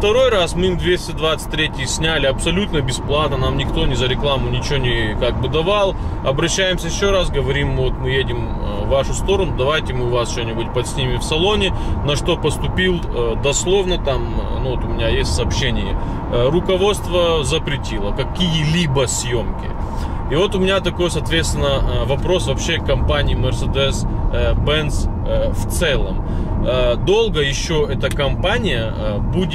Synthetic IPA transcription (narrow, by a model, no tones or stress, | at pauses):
ft̪ɐɾo̞jrasmɨimd̪vʲesʲtʲɪd̪vat̪sɨ̥t̚ʲt̪ʲːɾʲetʲɪjɪsʲnʲælʲɪɐpsɐlʲut̪nəbʲɪsplˠat̪nənamnʲɪkt̪o̞nʲɪzəɾʲɪklˠamʊnʲɪt͡ɕɪonʲɪkaɡ̚bɨd̪ɐvalˠɐbɾɐɕːæjɪmsʲəjɪɕːo̞ɾasɡəvɐɾʲimːvot̪mɨjedʲɪm | vːaʂʊst̪o̞ɾənʊd̪ɐvajtʲɪmɨʊvast͡ɕonʲɪbutʲpɐt̪sʲnʲimʲɪfsɐlˠo̞nʲɪnɐʂt̪o̞pəst̪ʊpʲilˠd̪ɐslˠo̞vnət̪amnuvot̪ʊmʲɪnʲajesʲtʲsɐːpɕenʲɪjə | rʊkɐvo̞t̪st̪vəzəpɾʲɪtʲilˠəkɐkʲijɪlʲibəsʲjo̞mkʲɪ̰ | ivo̞t̪ʊmʲɪnʲat̪ɐko̞jsɐːt̪vʲe̞t̪st̪ʲɪnːəvɐpɾo̞svɐpɕːekɐmpanʲɪjmʲərsʲəd̪ɛsbɛns | ft̪sɛlˠəm | d̪o̞lˠɡəjɪɕːoɛt̪əkɐmpanʲɪjə | budʲ